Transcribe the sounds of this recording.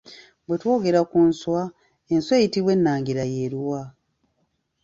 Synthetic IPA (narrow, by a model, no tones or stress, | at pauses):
bwe̞two̞ːɡe̞ɾakunswa | enswe̞ːjitiβwe̞nːaːŋɡiɾajeɾuwa